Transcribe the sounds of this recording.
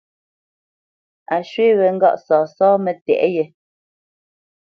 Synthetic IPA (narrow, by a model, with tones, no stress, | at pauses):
a˨ʃwe˦ɣɛ˨ŋ˦ɡa̰˦ʔsɔː˨sɔː˦mɛ˨tɛ̰˨ʔjɛ˨